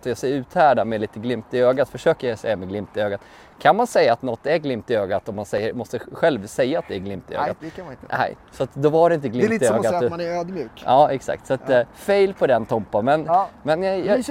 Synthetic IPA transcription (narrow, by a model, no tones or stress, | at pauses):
t̪ɔjɑsɛjɾʉ̟ːt̪hæːɖamɛliːt̪əɡlɪmt̪ɪøːɡat̪fœʂøːkəɾjasɛjːamɛɡlɪmt̪ɪøːɡat̪ | kʰanmansɛjːaːt̪nɔt̪ːæɾɡlɪmpt̪ɪøːɡat̪ɔmːansɛjːəɾmɔst̪əɧɛlvsɛjːaat̪̚d̪ɛæɾɡlɪmpt̪ɪø̰ːɡa̰t̪kʰɪnɛ̰ɪsɔat̪d̪ɔvaɖɛɪnt̪əɡlɪmːøːɡat̪ːnɛøːd̪mjʉːkɑːɛksa̰k̚t̪sat̪feɪlpʰɔd̪ɛnt̪ʰɔmpanmɛnmɛnj